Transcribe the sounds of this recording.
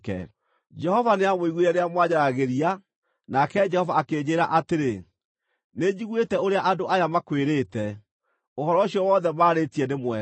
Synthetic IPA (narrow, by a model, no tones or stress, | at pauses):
kɛ̰ | d͡ʒɛhɔvaneamoiɣweɾɛneamwaɲaɾaɣeɾia | nakɛd͡ʒɛhɔvaakeːd͡ʑeɾaʔateɾe | ned͡ʑiɣwetɛoɾeaʔadoajamakweɾeːtɛ | ohɔɾɔɕiɔwɔðɛmaːɾetiɛnemwɛ